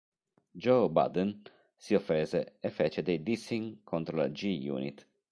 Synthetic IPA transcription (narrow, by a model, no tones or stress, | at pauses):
d͡ʒoba̰d̪ɛn | siofːeːzeɛfːɛt͡ʃed̪ejd̪isiŋkʰont̪ɾola̰d͡ʒijṵːnḭt̪